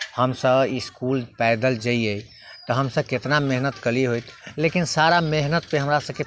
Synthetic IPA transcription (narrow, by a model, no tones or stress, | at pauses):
həmsəbiskulpɛɪd̪əld͡ʒaiəj | t̪ɔɦəmsəb̚ket̪nameɦnət̪kəliɦojt̪lekinsaɾameɦnət̪̚peɦəmɾasəbke